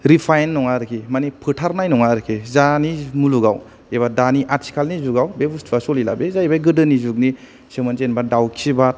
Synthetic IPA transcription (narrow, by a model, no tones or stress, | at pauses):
ɾipʰajnːɔŋaɾɯkʰimanipʰɯtʰaɾnajnɔŋaɾɯkʰezanimuluɡaw | ebadaniʔatʰi̥kʰalnizuɡawbebustʰuasɔlilabezajbajɡɯdɯnizuk̚ni | semɯnzenbadawkʰibat̚